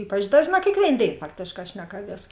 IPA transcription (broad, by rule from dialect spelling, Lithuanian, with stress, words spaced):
ˈiːpɐt͡ʃ ˈdɑːʒˌnɑː kʲeːkˈʋʲeːɪn ˈdʲeːɪn ˈfɑːktʲeːʃˌkɑː ˈʃʲnʲæːkɐˌʋʲiɛs